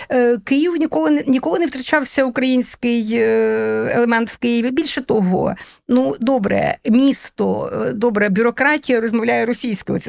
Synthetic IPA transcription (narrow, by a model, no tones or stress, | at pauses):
kɪjiwnʲikɔlˠʊnnʲikɔlˠʊnewt̪ɾɐt͡ʃɑwsʲɐʊkɾɐjinʲsʲkɪj | ḛlˠemɛnt̪wkɪjɪʋʲibʲilʲʃɛt̪ɔɦɔ̰ | nud̪ɔbɾɛ̰mʲist̪ɔ̰d̪ɔbɾɛbʲʊɾɔkɾɑtʲijɐɾɔzmɔʋlʲajɛɾɔsʲijsʲkɪɔ